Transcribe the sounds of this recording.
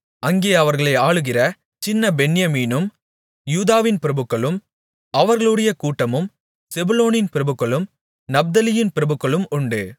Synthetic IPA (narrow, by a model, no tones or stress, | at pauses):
ɐŋɡeːɐʋɐɾɣɐɭɐɪaːɭɯɣɪrɐ | t͡ʃɪnːɐbɛɳɪjɐmiːnɯm | juːðaːʋɪnpɪɾɐbɯkːɐɭɯm | ɐʋɐɾɣɐɭɯɽɐjɐkuːʈːɐmɯm | sɛbʊloːnɪnpɪɾɐbɯkːɐɭɯm | nɐb̚d̪ɐlɪjɪnpɪɾɐbɯkːɐɭɯmʊɳɖɯ